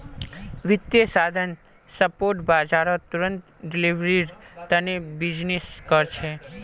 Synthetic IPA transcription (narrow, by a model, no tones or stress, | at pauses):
ʋɪd̪jəsad̪ʱən | səpoɾʈbad͡ʒaɾot̪uɾənt̪ | ɖiliʋɾiɾt̪ənebid͡ʒniskəɾt͡ʃʰe